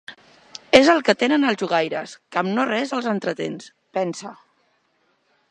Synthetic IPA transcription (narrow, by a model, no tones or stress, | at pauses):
ezəlˠkət̪enənəlˠʒuɣ̞ajɾəskəmnorɛzəlˠzənt̪ɾət̪ḛns | pɛnsə